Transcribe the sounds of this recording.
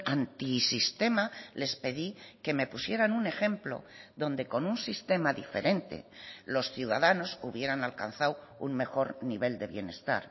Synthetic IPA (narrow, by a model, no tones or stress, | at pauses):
ant̪isist̪e̞male̞spe̞ðike̞me̞pusje̞ɾanune̞xẽ̞mplo̞̰ðo̞nd̪e̞ko̞nunsist̪e̞maðife̞̰ɾe̞nt̪e̞̰lo̞sθjuða̰ðano̞suβ̞je̞ɾanalka̰nθawṵŋme̞xo̞ɾniβe̞ld̪e̞βje̞ne̞st̪a̰ɾ